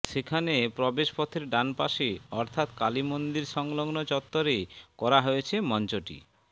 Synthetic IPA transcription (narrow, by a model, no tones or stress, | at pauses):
ʃekʰanepɾɔbeʃpɔt̪ʰeɾɖanpaʃeɔɾt̪ʰat̪kalimond̪iɾʃɔŋloɡnot͡ɕɔt̪ːoɾekɔɾaɦojet͡ɕʰemɔnt͡ɕoʈḭ